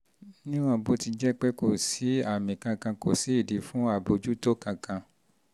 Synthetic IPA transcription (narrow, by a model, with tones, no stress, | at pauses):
nĩ˦w̃ɔ̃˧˦bo˧˦ti˧d͡ʒɛ˦k͡pɛ˦ko˨si˨˦a˦˨mĩ˨kã˧kã˧ko̰˨si˨˦i˦˨di˨˦fũ˦a˦˨bo˧d͡ʒu˦to˦kã˧kã˧